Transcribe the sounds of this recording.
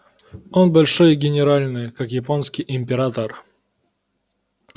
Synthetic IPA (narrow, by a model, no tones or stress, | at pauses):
onbɐlʲʂojɡʲɪnʲɪɾalʲnɨjkakjɪponskʲɪjʔɪmʲpʲɪɾat̪ər